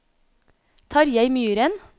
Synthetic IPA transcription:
t̪ʰɑːɾjæɪmyːɾən

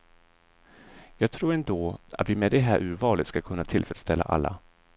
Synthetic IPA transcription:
jɑːɡ̚t̪ʰɾuːɾɛnd̪oːa̰t̪vɪmɛd̪ɛɦæːɾʔʉ̟ːɾvɑːlɪt̪skakʰɵnːat̪ʰɪlfɾɛt̪st̪ɛlːa̰ʔa̰lːa̰

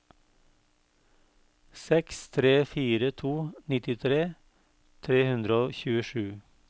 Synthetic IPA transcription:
sɛkst̪ʰɾeːfiːɾət̪ʰuːnɪt̪ɪt̪ʰɾeː | t̪ʰɾeːhʉnd̪ɾəoːçʉːəʃʉː

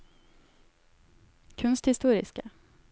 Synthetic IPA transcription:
kʰɵnst̪hɪst̪uːɾɪ̰ska

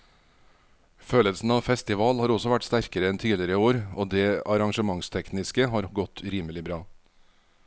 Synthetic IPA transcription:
føːləlsn̩ɑːʋfɛst̪ɪʋɑːlhɑːɾɔsɔʋæʈst̪æɾkəɾəɛnt̪ʰiːlɪɾəoːɾoːd̪eːɑɾɑŋʃəmɑŋst̪ʰɛknɪskəɦɑːɾɡɔt̪ʰʉɾiːməlɪbɾɑː

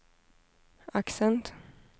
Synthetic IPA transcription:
aksɛnt̪

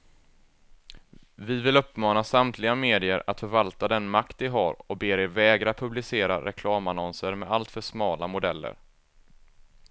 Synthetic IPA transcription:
vɪvɪlɵpːmɑːnasamt̪ʰlɪɡameːd̪ɪəɾat̪fœɾvalt̪ad̪ɛnmakt̪vɪɦaɾɔkbeːɾɪɾvɛːɡɾapʰɵblɪseːɾaɾɛkʰlɑːmanɔnsəɾmɛalt̪fœʂmɑːlamʊd̪ɛlːə̰ɾ

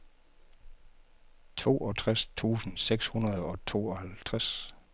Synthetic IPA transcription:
t͡sʰo̝̰ːʔɒ̽t͡sʰʁast͡sʰṵːsn̩seɡ̥shunɐð̞ˠɒ̽t͡sʰo̝̰ːɒhælt͡sʰʁas

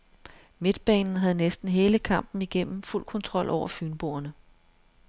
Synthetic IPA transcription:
me̝d̥̚b̥ɛ̰ːnn̩ɦæð̞̩ˠnesd̥n̩ɦe̝ːləkʰɑ̈m̰b̥n̩iɡ̥en̰m̩ful̰kʰɒ̽nt͡sʰʁɒ̽l̰ʔɒʊ̰ɐfyːnb̥o̝̰ːɐnə

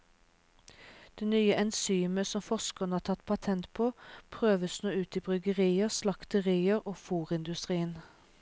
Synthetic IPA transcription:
d̪̥eːnyːəʔɛnsyːməsɔmfɔʃkəʁnəhɑːt̪ʰɑt̪̚pʰɑt̪ʰɛnt̪pʰoːpʰʁøːʋəsnoːʉːt̪iːbʁʏɡəʁiːəʁslɑkt̪əʁiːəʁoːfuːʁɪnd̪ʉst̪ʁiːən

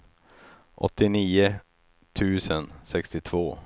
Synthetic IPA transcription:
ʔɔ̰t̪ːɪniːʊ | t̪ʰʉ̟ːsənsɛkst̪ɪt̪ʰv̥oː

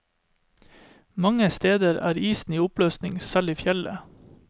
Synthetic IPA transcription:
mɑŋəst̪eːd̪əɾæ̰ːɾiːsn̩iːʊpløːsnɪŋsɑliːfjɛlə̰

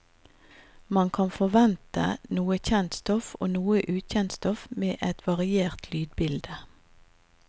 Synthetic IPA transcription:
mɑnkʰɑnfɔʋɛnt̪ə̰nuːəçɛnt̪st̪ɔfo̰ːnuːəʔʉːçɛnt̪st̪ɔfmeːʔɛt̪ʰʋɑʁɪeːʁt̪ʰlyːd̪bɪld̪ə

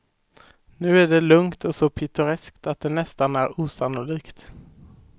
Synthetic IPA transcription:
nʉ̟ːæɖɛlɵŋt̪ɔsɔpʰɪt̪ʊɾɛskt̪at̪̚d̪ɛnɛst̪anæɾuːsanʊliːkt̪

